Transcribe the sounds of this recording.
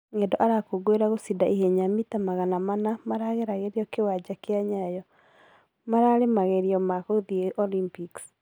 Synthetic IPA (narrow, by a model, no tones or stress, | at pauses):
ŋedɔʔaɾakoɡoeɾaɣosidaʔiɦeɲamitamaɣanamanamaɾaɣeɾaɣeɾiɔkewad͡ʒakeaɲajɔ | maɾaɾemaɣeɾiɔmakoðieʔɔlimpiks